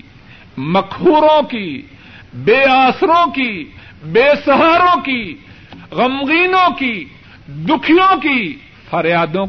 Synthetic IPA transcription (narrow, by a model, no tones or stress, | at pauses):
mɐkʰhuːɾõːki | beːaːsɾõːki | beːsɐɦaːɾõːki | ɣɐmɣiːnõki | d̪ʊkʰijõːki | fɐɾjaːd̪õ